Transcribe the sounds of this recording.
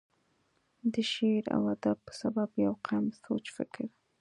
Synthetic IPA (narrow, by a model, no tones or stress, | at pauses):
d̪əʃeɾa̰wad̪ab̚pə̥sababjawqʰamsot͡ʃfɪ̰kɪɾ